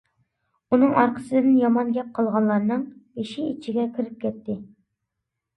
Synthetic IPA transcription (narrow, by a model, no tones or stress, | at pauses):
unɨŋɑɾqʰə̥sɨd̪ɪnjɑmɑnɡʲɛp̚qʰɑlˠʁɑnlːˠɑɾnɨŋjeʃiit͡ʃʰiɡʲɛkʲʰiɾɪp̚kʲʰɛt̪ːɪ